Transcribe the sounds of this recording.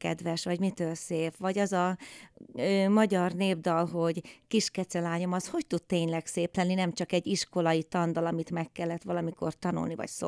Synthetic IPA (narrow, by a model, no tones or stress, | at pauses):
kɛ̰d̪ʋɛʃʋɒɟmit̪øːlseːfʋɒɟɒzɒ | øːmɒɟɒrneːbd̪ɒlɦo̞ɟkiʃkɛt̪sɛlaːɲo̞mɒsho̞ct̪ut̪t̪eːɲlɛkseːplɛnːinɛmt͡ʃɒkɛɟːiʃko̞lɒit̪ɒnd̪ɒlɒmit̪mɛkːɛlːɛt̪ʋɒlɒmiko̞̰rt̪ɒnṵlnivɒ̰cso